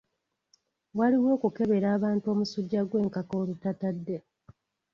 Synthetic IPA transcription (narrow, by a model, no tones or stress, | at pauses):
waliwo̞ːkuke̞βe̞ɾaːβaːntuo̞ːmusuɟːaɡwe̞ːŋkako̞ːɾutatadːe